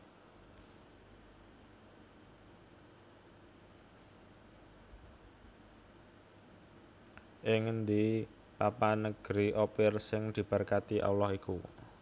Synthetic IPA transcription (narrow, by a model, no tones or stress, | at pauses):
ʔɪŋnd̪i | papanəɡ̥ɾiʔopɪrsɪŋd̪̥i̤b̥ərkat̪iʔa̰wlɔhiku